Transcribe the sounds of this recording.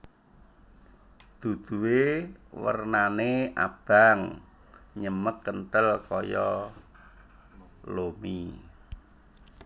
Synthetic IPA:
d̪̥ṳd̪̥ṳwewə̰rnaneʔa̰b̥a̤ŋ | ɲəməkːənʈəlkɔjɔ | lomi

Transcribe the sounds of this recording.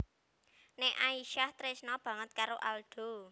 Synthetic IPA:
nɛʔaiʃaht̪ɾɪsnɔb̥ä̤ŋət̪̚kaɾoʔald̪̥o̤

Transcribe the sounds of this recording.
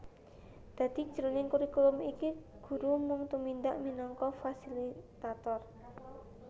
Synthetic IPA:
d̪̥ä̤d̪̥i̤̥ʒ̥əɾonɪŋkuɾikulʊmikiɡ̥ṳɾumʊŋt̪umind̪aʔminɔŋkɔfasilit̪at̪ɔr

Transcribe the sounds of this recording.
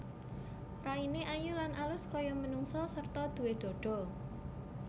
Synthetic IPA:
raineʔajulanʔalʊskɔjɔmənuŋsɔsərt̪ɔd̪̥ṳwed̪̥ɔ̤ɖ̥ɔ̤

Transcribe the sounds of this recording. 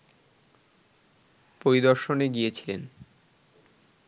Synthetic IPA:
poɾid̪ɔɾʃoneɡijet͡ɕʰilen

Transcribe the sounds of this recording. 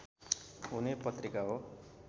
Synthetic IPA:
ɦunepʌt̪rikaɦo

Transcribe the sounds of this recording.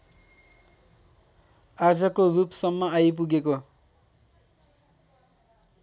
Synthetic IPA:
ad͡zʌkorupsʌmːʌajp̬uɡeko

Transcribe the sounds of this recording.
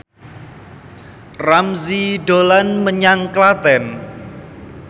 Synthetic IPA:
ramziɖolanməɲaŋklat̪ɛn

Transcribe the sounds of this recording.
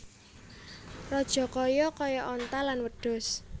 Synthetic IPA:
rɔd̥ʒ̥ɔ̤kɔjɔkɔjɔʔɔnt̪alanwəɖ̥ɔ̤s

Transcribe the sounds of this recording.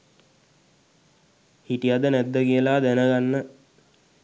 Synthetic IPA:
hiʈijad̪ənɛd̪ːəkijəlaːd̪ænəɡanːə

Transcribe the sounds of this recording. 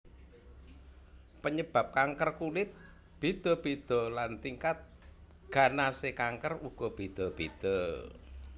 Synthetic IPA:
pəɲəb̥a̤p̚kaŋkərkulɪt̪̚ | b̥ed̪̥ɔ̤b̥ed̪̥ɔ̤lant̪iŋkat̪̚ | ɡ̥a̤nasekaŋkəruɡ̥ɔ̤b̥e̤d̪̥ɔ̤b̥ed̪̥ɔ

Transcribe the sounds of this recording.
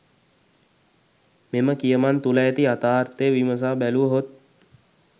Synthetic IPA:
meməkijəmant̪uləjet̪iat̪aːrt̪eːʋiməs̬aːbæluʋəɦot̪̚

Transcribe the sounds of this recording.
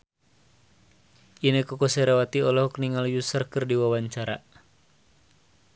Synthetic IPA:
ʔinəkɔkɔsɛɾawat̪iɔlɔhɔkniŋaljusərkɨrdiwawaɲt͡ʃaɾa

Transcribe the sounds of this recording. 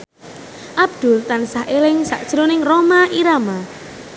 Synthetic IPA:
ʔab̚d̪̥ʊlt̪ansahʔelɪŋsa̰ʔd̥ʒ̥ɾonɪŋromaʔiɾama

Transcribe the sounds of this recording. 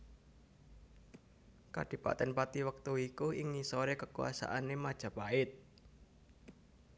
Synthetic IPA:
ka̰ɖ̥i̤pa̰t̪ɛnpat̪iwək̚t̪uikuɪŋnisoɾekəkua̰sa̰ʔanemad̥ʒ̥a̤paɪt̪̚

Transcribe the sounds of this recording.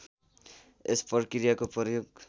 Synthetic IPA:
espʌrkiɾijakopʌjoɡ

